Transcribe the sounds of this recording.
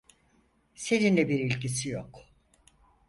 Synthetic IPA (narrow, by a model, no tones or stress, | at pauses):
se̞ninlʲɛbiɾilʲcisijok